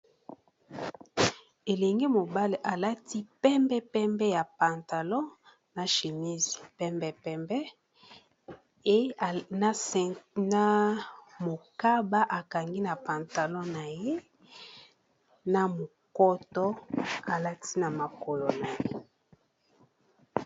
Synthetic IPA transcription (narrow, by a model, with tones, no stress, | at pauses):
e˨lɛ˨ŋɡe˦mo˨ba˦le˨ʔa˨la˦tʰi˦pɛ˦mbɛ˦pɛ˦mbɛ˦ja˨pa˨nta˨lɔ̃˦ | na˨ʃe˨mi˦zi˨pɛ˦mbɛ˦pɛ˦mbɛ˦ | na˦mo˨ka˦ba˦ʔa˨ka˨ŋɡi˦na˨pa˨nta˨lɔ̃˦na˨je˦ | na˨mo˨ | kɔ˦tɔ˦a˨la˦tʰi˦na˨ma˨kɔ˨lɔ˨na˨je˦